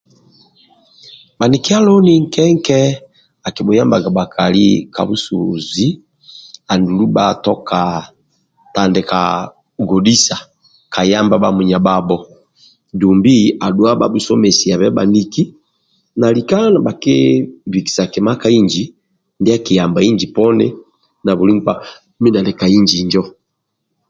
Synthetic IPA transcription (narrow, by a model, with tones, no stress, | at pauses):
ba˨ni˨ki˦a˦lɔ˦ni˦ŋ˦kɛ˦ŋ˦kɛ˦ | a˨ke˨bɔ˨ja˦mba˨ɡa˨ba˨kʰa˨li˦ka̰˨bu˦su˨zi˦ | a˨ndu˨lu˦ba˦tɔ˦ka˨ | ta˨ndɛ˨ka̰˨ | ɡɔ˨di˦sa˨ | ka˨ja˦mba˨ba̰˨mu˨ɲa˨ba˦bɔ˨ | du˨mbi˦a˨dwa˦ba̰˨bu˨sɔ˦mɛ˨si˨a˨βɛ˦ba˨ni˦ki˦ | na˨li˨ka˦na˨ba˨ke˦bi˨ki̥˨sa˨kɛ˨ma˦ka˦i˦ɲd͡ʒi˨ | ndɛ˦a˦ki˨ja˨mba˨i˦nd͡ʒi˨pɔ˦nɛ̰˦ | na˨βu˨li˦ŋ˦k͡pa˨˦ | mi˦na˨lɛ˨ka˨i˦ɲd͡ʒi˨ɲd͡ʒɔ˦